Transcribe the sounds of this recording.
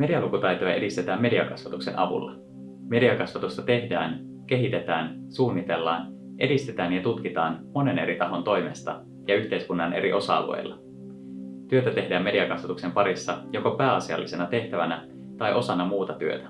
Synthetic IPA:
me̞diɑlukut̪ɑjt̪ojɑʔe̞dist̪et̪æːmːe̞diɑkɑsʋɑt̪ukse̞nʔɑ̰ʋṵlːɑ | me̞diɑkɑsʋɑt̪ust̪ɑt̪e̞hdæ̰ːn | k̟e̞ɦit̪e̞t̪æːnsuːnːit̪e̞lːɑ̰ːn | ʔe̞dist̪e̞t̪æːnjɑt̪ut̪k̟it̪ɑːnmo̞ne̞ne̞ɾit̪ɑɦo̞nt̪o̞jme̞̰st̪ɑ̰ | jɑyçt̪e̞ijskunːɑnʔe̞̰ɾiʔo̞sɑɑ̰lo̰ḛjlːɑ | t̪yøt̪æt̪e̞ɦdæːmːe̞diɑkɑsʋɑt̪ukse̞mpɑɾisːɑjo̞ko̞pæːɑsiɑ̰lːise̞nɑt̪e̞ht̪æʋænæ | t̪ɑjʔo̞sɑnɑmuːt̪ɑt̪yøt̪æ̥

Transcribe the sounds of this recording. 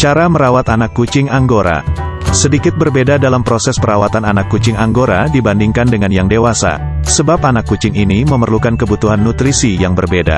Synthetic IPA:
t͡ʃaɾaməɾawat̪anakːut͡ʃɪŋaŋɡoɾa̰ | sədikɪt̪̚bərbedadalampɾosɛspəɾawat̪ananakːut͡ʃɪŋaŋɡoɾadibandiŋkandəŋanjaŋdewasa̰ | səbap̚anakːut͡ʃɪŋiniməmərlukankəbut̪uɦanːut̪ɾisijaŋbərbeda̰

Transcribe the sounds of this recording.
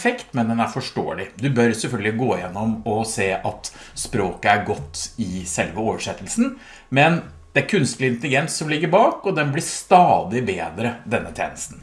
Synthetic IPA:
fɛkt̪mɛnd̪ɛnæɾfɔʂʈo̰ːəlɪd̪ʉbœɾsɛlfœlɡəlɪɡoːjɛnːɔmɔseːʔɑt̪spɾoːkəæɾɡɔt̪ːɪsɛlʋəoːʋəʂɛt̪ːəlsn̩ | mɛn | d̪̥ɛæɾkʰʉnst̪lɪnt̪əlɪɡɛnsːɔmlɪɡːəɾbɑːkɔd̪ɛnblɪʂt̪ɑːd̪ɪbeːd̪ɾəd̪ɛnːət̪ʰjḛːnəst̪n̩

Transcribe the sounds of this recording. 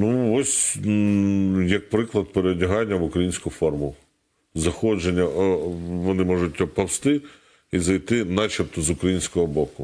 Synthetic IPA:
nuɔsʲ | jɐk̚pɾɪklˠɐd̪̚peɾedʲɐɦɑnʲːɐʋʊkɾɐjinʲsʲkʊfɔrmʊ | zɐxɔd͡ʒenʲːɐ | ʋɔnɪmɔʐʊtʲpɐwst̪ɪ | izɐjt̪ɪnɑt͡ʃipt̪ɔzʊkɾɐjinʲsʲkɔɦɔbɔkʊ

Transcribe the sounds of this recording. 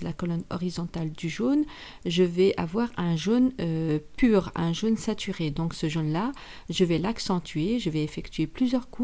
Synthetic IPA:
lakɔlɔnɔ̰ʁizɔ̃t̪ald̪yʒon | ʒəvɛʔavwaʁɛ̃ʒonøpyːʁɛ̃ʒonsat̪ʰyʁed̪ɔ̃ksəʒonla | ʒəvɛlaksɑ̃t̪ʰɥeʒəvɛefɛkt̪ɥeplyzjœʁku

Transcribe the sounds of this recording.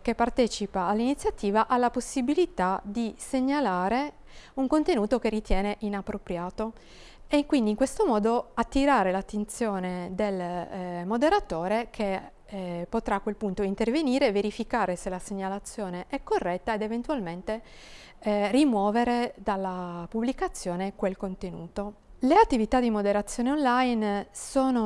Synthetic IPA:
kepːart̪ɛːt͡ʃipaːlːinit̪sjat̪iːvaʔalːaposːibilit̪ad̪iseɲːalaːɾe | uŋkont̪enuːt̪okerːit̪jɛːneʔinapːɾopɾjaːt̪o | eiŋkwind̪iːŋkwest̪omɔːd̪oat̪ːiɾaːɾelat̪ːent̪sjoːned̪elmod̪eɾat̪oːɾekʰe | pot̪ɾaːkːwelpunt̪oint̪erveniːɾeveɾifikaːɾeselaseɲːalat̪sːjoːneʔɛkːorːɛt̪ːaed̪event̪uwalment̪e | rimwɔːveɾed̪alːapubːlikat̪sːjoːnekwelkont̪enṵːt̪o | leat̪ːivit̪ad̪imod̪eɾat̪sːjoːneonlajnsoːno

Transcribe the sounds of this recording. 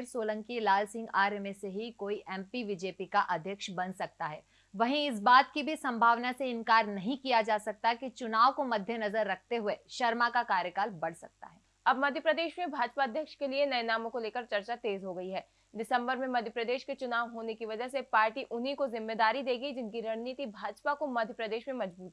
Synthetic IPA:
ɾsoːlə̃ŋkilaːlsɪ̃ŋɡaːɾemeseɦikoːiʔɛ̃ːmpiʋɪd͡ʒeːpikaʔɐd̪ʱjəkʃbɐnsɐk̚t̪aɦɛː | ʋɐɦĩɪs̬baːt̪kibʱisɐ̃mbʱaːʋnaseɪ̃ŋkaːɾnɐɦĩkijad͡ʒaːsɐk̚t̪aɦɛkit͡ʃʊnaːʋkomɐd̪ʱːjənɐzəɾːɐkʰt̪eɦʊeʃɐɾmakakaːɾjəkaːlbɐɽ̤sɐk̚t̪a̰ɦɛː | ɐbmɐd̪ʱjəpɾɐd̪eːʃmẽbʱaːd͡ʒpaɐd̪ʱjəkʃkelienɐjnaːmõkoleːkəɾt͡ʃɐɾt͡ʃat̪eːzɦoɡɐiɦɛː | ɖɪsɐ̃mbəɾmẽmɐd̪ʱjəpɾəd̪eːʃket͡ʃʊnaːʋɦoːnekiʋɐd͡ʒəɦsepaːɾʈiʔʊnikozɪmːed̪aːɾid̪eːɡəid͡ʒɪnkiɾɐɽniːt̪ibʱaːd͡ʒpakomɐd̪ʱjəpɾɐd̪eːʃmẽmɐd͡ʒbuːt̪ɛ

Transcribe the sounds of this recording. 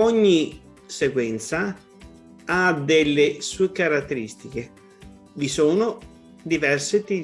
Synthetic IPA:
ɔɲːi | seɡwɛnt̪sa | ad̪elːɪsuːekaɾat̪ːeɾist̪ik̟e | visoːno | d̪ivɛrsɪt̪i

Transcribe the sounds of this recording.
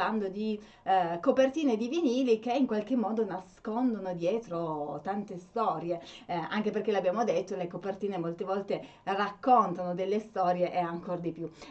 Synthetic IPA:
and̪od̪i | kopert̪iːned̪iviniːlikeiŋkwalk̟emːɔːd̪onaskond̪onod̪jɛːt̪ɾot̪ant̪est̪ɔːɾjeaŋk̟eperkːelabːjaːmod̪et̪ːolekopert̪iːnemolt̪evɔlt̪e | rakːont̪anod̪elːest̪ɔːɾjeʔeaŋkord̪ipju

